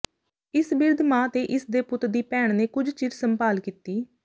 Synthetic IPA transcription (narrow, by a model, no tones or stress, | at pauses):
ɪsbɪɾd̪ʱmãːt̪eːʔɪsd̪eːpʊt̪d̪iːpɛːɳ̃neːkʊd͡ʒt͡ʃɪd͡ʒsəmpaːlkiːt̪iː